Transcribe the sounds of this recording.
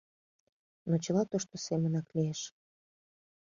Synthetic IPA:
not͡ɕə̆lɑt̪oʃt̪osemənɑklieʃ

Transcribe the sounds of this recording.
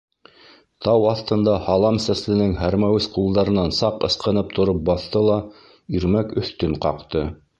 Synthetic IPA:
t̪ɑwɑθt̪ɤ̆nd̪ɑhɑlˠɑmsæslɘ̆nɘŋhæɾmæwɘsqulˠd̪ɑɾɤ̆nɑnsɑqɤ̆sqɤ̆nɤp̚t̪ŏɾɤp̚bɑθt̪ɤlˠɑ | iɾmækɵ̆θt̪ɵɴqɑqt̪ɤ

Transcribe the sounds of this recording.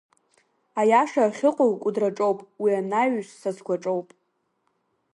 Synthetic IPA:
ajaʃaχʲɪqʼowkʷʼudraʈ͡ʂʼo̞wpʼwianaɥʃsazɡʷaʈ͡ʂʼowpʼ

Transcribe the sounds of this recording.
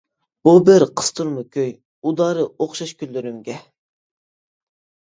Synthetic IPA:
b̥ubɪɾqʰə̥st̪ʰuɾmɨkʲʰøj | ud̪ɑːɾɨoχʃɑʃkʲylːyɾymɡʲɛ

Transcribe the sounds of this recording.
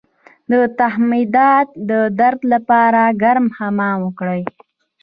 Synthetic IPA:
d̪ət̪aɦmid̪ɑt̪̚d̪əd̪aɾd̪lapɑɾaɡaɾmhamɑwəkɽəj

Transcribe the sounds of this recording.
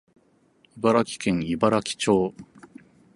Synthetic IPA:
ibaɾakʲi̥kẽ̞ŋibaɾakʲi̥t͡ɕo̞ː

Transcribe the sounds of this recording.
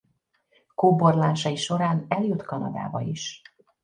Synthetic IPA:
koːborlaːʃɒiʃo̞ɾaːnɛljot̪kɒnɒ̰d̪a̰ːbɒ̰iʃ

